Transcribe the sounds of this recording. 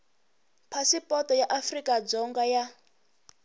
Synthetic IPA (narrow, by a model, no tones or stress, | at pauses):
pʰasipɔtɔjaʔafrikʼad͡zɔŋɡaja